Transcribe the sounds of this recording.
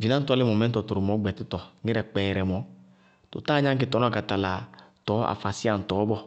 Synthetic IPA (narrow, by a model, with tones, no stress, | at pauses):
vi˨na˦t̪ʊ˦a˦lɪ˦mɔ˨mɛ̃˦t̪ɔ˨t̪ʊ˨ɾʊ˨mɔ˨˦ɡ͡bɛ˨t̪ɪ˦t̪ɔ˨˦ɡi˦ɾɛ˨k͡pɛ˨ɾɛ˨mɔ̃˨˦ | t̪ʊ̰˨t̪ã˦ɲã˦ŋ˦k̬ɪ˨t̪ɔ˨˦nɔ˦˨ka˨ta˨la˨t̪ɔ˨˦a̰˨fa˨si˦a˨n̩˨t̪ɔ˨˦bɔ˦˨